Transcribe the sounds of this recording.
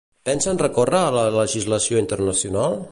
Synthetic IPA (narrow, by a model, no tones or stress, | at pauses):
pɛnsənrəkorəːlələʒizləsioint̪əɾnəsjunalˠ